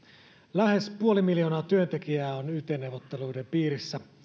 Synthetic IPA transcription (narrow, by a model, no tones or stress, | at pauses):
læhe̞spuo̞limiljo̞ːnɑːt̪yønt̪e̞kiæːonyt̪enːewʋot̪ːe̞luidempiːɾisːæ